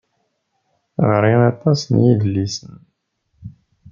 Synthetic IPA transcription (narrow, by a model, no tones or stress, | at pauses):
ʁəɾˤiɾɑt̪ˤɑsənjiðəlːisən